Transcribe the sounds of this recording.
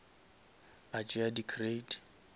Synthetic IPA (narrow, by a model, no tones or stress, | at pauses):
at͡ʃʼɪadikʰred